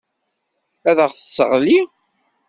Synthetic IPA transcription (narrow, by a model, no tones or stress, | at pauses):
æðəʁθəsːəʁli